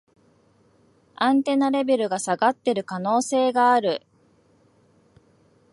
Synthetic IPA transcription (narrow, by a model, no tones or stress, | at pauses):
ãnt̪e̞naɾe̞be̞ɾɯ̟ɡasaɡat̪ːe̞ɾɯ̟kano̞ːse̞ːɡaːɾɯ̟